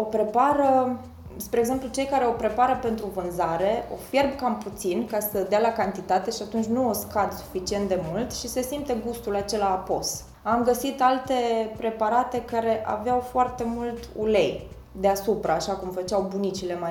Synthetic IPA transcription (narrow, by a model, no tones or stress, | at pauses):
o̞pɾe̞paɾə | spɾeːɡze̞mplut͡ʃe̞jkaɾe̞o̞pɾe̞paɾəpe̞nt̪ɾuvɨnzaɾe̞o̞̰fje̞rbkamput̪sinkasəd̪ealakant̪it̪at̪e̞ʃiat̪unt͡ʃʲnuoskad̪su̥fit͡ʃiet̪̚d̪e̞mult̪ʃise̞simt̪eɡust̪ulat͡ʃe̞laːpo̞s | amɡəsit̪alt̪e̞pɾe̞paɾat̪e̞kaɾe̞ʔa̰veawfoart̪e̞mult̪ṵle̞j | d̪e̞asupɾaːʃakumfət͡ʃawbunit͡ʃile̞ma